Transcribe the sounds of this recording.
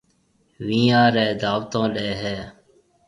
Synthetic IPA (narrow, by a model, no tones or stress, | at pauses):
ʋĩːãːɾeːd̪aːʋt̪õːɗeːɦeː